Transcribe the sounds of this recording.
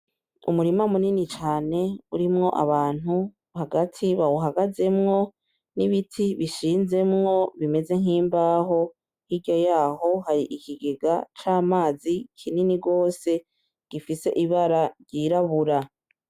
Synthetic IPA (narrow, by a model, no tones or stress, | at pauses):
ṵmuɾimamuninit͡ʃaːne̞ṵɾimŋo̞̰ʔaβaːn̥hu | haɡatʰiβawuɦaɡaze̞mŋo̞ | niβitʰiβiʃiːnze̞mŋo̞βime̞ze̞ŋ̥iːmbaːɦo̞ | hiɟo̞jaːho̞haɾiʔikʰiɡeɡa̰t͡ʃaːmaːzikʰininiɡo̞ːse̞ | ɡ̥ifise̞ʔiβaɾaɾɟiɾaβuɾa